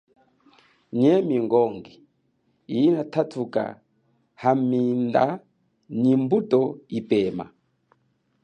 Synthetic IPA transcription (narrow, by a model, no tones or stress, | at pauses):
ɲɛmiŋɡɔŋɡi | iinatʰatʰuka̰ | haminda̰ | nimbutɔipɛma̰